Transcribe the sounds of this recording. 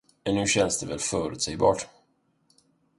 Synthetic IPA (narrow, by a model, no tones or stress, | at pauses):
ɛnːʉ̟ːɕɛnsd̪ɛvɛlfœːɾɵʉt̪sɛjbɑ̰ːʈ